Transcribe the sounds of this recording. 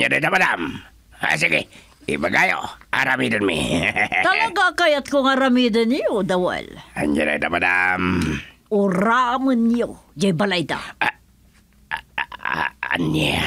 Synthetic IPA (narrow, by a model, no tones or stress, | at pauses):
ɲd͡ʒadait̪apadam | ha̰s̬iki | ibaɡajo̰aɾamidənmḭt̪aaɡakajat̪̚koŋaɾamidəniodawa̰lɲd͡ʒaɾa̰it̪apadam | uɾaməniod͡ʒaibalaid̪a̰ | a̰nːi